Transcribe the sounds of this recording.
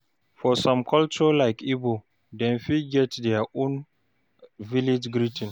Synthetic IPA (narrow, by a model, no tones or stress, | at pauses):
fɔsɔ̃mkʰɔlt͡ʃɔlaɪkibo | dɛ̃nfiɡɛtdɛaʔõn | vilɪd͡ʒɡɾitɪ̃n